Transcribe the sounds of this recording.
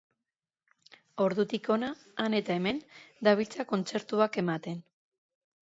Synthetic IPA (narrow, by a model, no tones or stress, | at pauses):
o̞ɾðut̪iko̞naː | ne̞t̪aeme̞nd̪aβ̞ilt͡sako̞nt͡se̞ɾt̪uake̞mat̪e̞n